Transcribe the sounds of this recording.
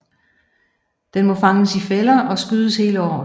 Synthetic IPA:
d̥enmɒ̽fɑ̈ŋəsifelɐʔɒ̽sɡ̥yðˠəshe̝ːləɒ̰ː

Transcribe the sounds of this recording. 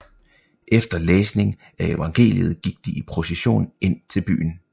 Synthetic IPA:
ʔefd̥ɐleːsne̝ŋ | æe̝ʋɑ̈ŋɡ̥e̝̰ːlið̞̩ˠɡ̥iɡ̥̚d̥iipʰʁo̝seɕo̝̰ːne̝n̰t͡sʰe̝lb̥y̰ːn̩

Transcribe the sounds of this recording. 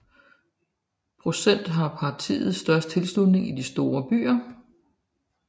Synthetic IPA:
pʰʁo̝sen̰d̥ɦɑ̈pʰɑ̈t͡sʰḭːð̞̩ˠsːd̥ɶɐsd̥̚t͡sʰe̝lsdluð̥ne̝ŋid̥isd̥o̝ːɐb̥y̰ːɐ

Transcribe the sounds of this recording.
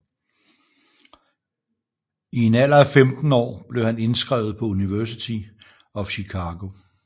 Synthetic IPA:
ie̝næl̰ɐæfemd̥n̩ɒ̰ːb̥le̝ʊhæne̝nsɡ̥ʁɛʊð̩ˠpʰɒ̽uniʋæɐsit͡sʰi | ɒ̽fɕikʰɑːɡ̥o̝

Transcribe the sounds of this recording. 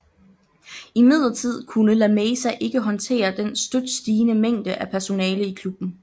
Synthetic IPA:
imið̞̰ˠɐt͡sʰið̞̰ˠkʰunəlæmeːsæʔe̝ɡ̥əɦɒ̽nt͡sʰe̝̰ːɐd̥ensd̥ød̥sd̥iːnəmeŋ̰d̥əʔæpʰæɐso̝nɛːləikʰlub̥n̩

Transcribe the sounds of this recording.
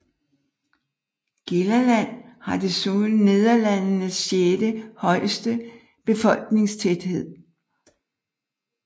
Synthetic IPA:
ɡ̥elɐlæn̰hɑ̈d̥e̝soːlne̝ð̞ˠɐlænnəsːjed̥əhɒ̽ɪ̰sd̥ə | b̥e̝fɒ̽l̰ɡ̥ne̝ŋst͡sʰed̥he̝ð̞̰ˠ

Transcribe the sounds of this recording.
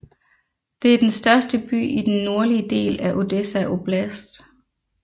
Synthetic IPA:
d̥e̝æɐd̥ensd̥ɶɐsd̥əb̥y̰ːid̥enːo̝ɐliəd̥e̝̰ːlæʔo̝d̥esæʔo̝b̥læsd̥

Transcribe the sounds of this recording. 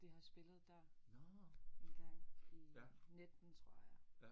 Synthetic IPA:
d̥eɦɑ̈sb̥e̝lð̞̩ˠd̥æɐ̰ | ʋeɡ̥æɐneined̥n̩t͡sʰʁo̝ɐ̰jɑ

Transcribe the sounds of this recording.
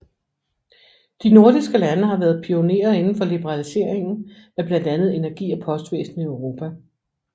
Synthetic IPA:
d̥ino̝ɐd̥isɡ̥əlænəɦɑ̈ʋæːɐð̞̩ˠpʰio̝ne̝̰ːɐe̝nn̩fɒ̽lib̥əʁɑ̈lise̝̰ɐ̰eŋn̩æɐb̥læn̰d̥ænð̩ˠe̝næɐɡ̥ḭːɒpʰɒ̽sd̥ʋḛːsn̩iøʊʁo̝ːpʰæ

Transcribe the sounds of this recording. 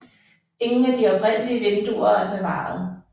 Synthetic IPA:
e̝ŋn̩æd̥iɒ̽b̥ʰʁɛn̰əliəʋe̝nd̥uɐæɐb̥e̝ʋɑ̰̈ːɑð̩ˠ

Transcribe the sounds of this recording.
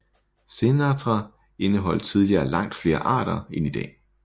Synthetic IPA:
se̝nɑd̥ʁɑ | e̝nəɦɒ̽l̰̥t͡sʰið̞ˠliɐːlɑ̈ŋ̰d̥fle̝ːɐʔɑ̰̈ːɾ̥ɐenid̥ɛ̰ː

